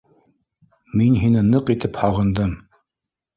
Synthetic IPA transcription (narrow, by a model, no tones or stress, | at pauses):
minɦinɘnɤqit̪ɘphɑʁɤ̆nd̪ɤm